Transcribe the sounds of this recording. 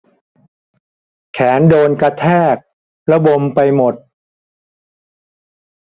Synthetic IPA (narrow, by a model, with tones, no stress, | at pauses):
kʰɛː˩˦ndoː˧nka˧t̪ʰɛː˥˩k̚ | la˧bo˧mpa˧jmo˨˩t̪̚